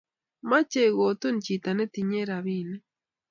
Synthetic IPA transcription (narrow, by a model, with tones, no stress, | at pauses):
ma˦t͡ʃe˦ɣo˨to˦nt͡ʃi˨ta˨ne˦ti˨ɲe˦ɾa˨βiː˦nɛ˦